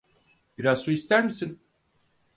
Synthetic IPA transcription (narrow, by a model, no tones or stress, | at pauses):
biɾazsuist̪ʰæɾmisin